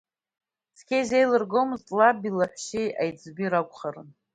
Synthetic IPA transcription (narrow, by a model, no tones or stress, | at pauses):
sʰkʰʲejzejlɨrɡo̞mɨztʼlabilaħʷʃejajd͡zbiɾakʷʼχarɨ̰n